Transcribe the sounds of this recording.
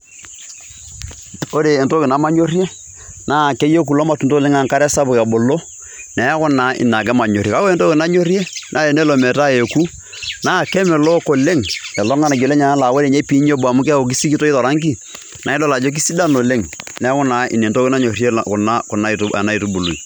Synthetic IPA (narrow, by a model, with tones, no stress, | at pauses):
o˦ɾeː˨nto˦kɪ˨na˦ma˦ɲo˦rje˦ | naː˦˨kɛ˦je˦k̬u˨lɔ˦ma˨tu˨nto˦le˦ŋa˨ŋka˦ɾɛ˦sa˦bʊ˨ka˨bo˨lo˦ | nɛ˨˦kʊ˦na˨˦ʔɪ̰˨na˨k̬ɛ˦ma˨ɲo˨rje˨ka˦o˦e˨nto˦kɪ˨na˦ɲo˦rje˦nʔa˦e˨ne˦lo˨mɛ˨ta˦e˨ku˦ | naː˦˨kɛ˦mɛ˨lo˦ko˨le˦ŋɛ˨lɔ˦ŋa˦na˨d͡ʒo˨lɛ˦ɲa˨a˦la˨we˦ɾe˨ɲe˦pi˨˦ɲ˦e˦bʊ˨a˨mʊ˦kːo˨k̬i˦si˦ki˦to˦i˦tɔ˨ɾa˦ŋk̬i˦ | nʔa˨˦ɪ˦dɔ˦la˨d͡ʒo˦k̬i˦si˦da˦no˨le˦ŋnɛ˨˦kʊ˦na˨˦ɪ̰˨ne˨nto˦kɪ˦na˦ɲo˨rje˦˨kʊ˨na˦kʊ˨na˦˨a̰˨na˦i˨tu˦bu˨lu˨i˨